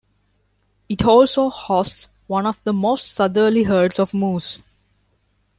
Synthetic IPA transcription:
ɪʈʰɔːlsoːhɔːsʈs | wʌ̃nɔʋd̪əmoːsʈsʌd̪əɾliɦəɾɖsɔʋmũːz̥

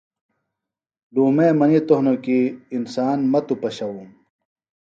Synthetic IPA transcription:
duːmeːmɐnit̪oɦnokiːnsaːnmɐt̪upɐɕɐwum

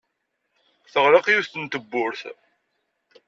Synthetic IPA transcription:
θəʁɾɑqjuθt̪ənt̪əbːʊɾθ

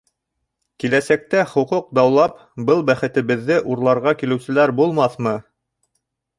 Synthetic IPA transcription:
kilæsæk̚t̪æχuquq̚d̪ɑwlˠɑp | bɤlˠbæχɘ̆t̪ɘ̆βɘ̆ðːɘʔuɾlˠɑɾʁɑkilɘ̆wsɘ̆læɾbulˠmɑθmɤ

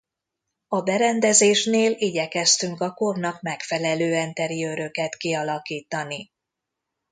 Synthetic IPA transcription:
ɒbɛɾɛnd̪ɛzeːʃneːliɟɛkɛst̪yŋkɒko̞rnɒkmɛkfɛlɛløːɛnt̪ɛɾijøɾø̞kɛt̪kiɒlɒkiːt̪ɒni

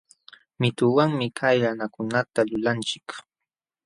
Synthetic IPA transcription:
mɪt̪ʊwaŋmɪkʰajɾanakʊnat̪alʊlant͡ʃɪ̥k

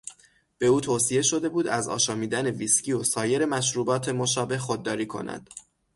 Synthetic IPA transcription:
b̥e̞uːt̪ʰoːsije̞ʃo̞d̪e̞buːd̪æzɒ̰ːʃɒːmiːd̪æne̞visciosɒːje̞ɾe̞mæʃɾuːbɒːt̪ʰe̞mo̞ʃɒːbe̞hxod̪ːɒːɾiːkʰo̞̰næ̰d̪̥

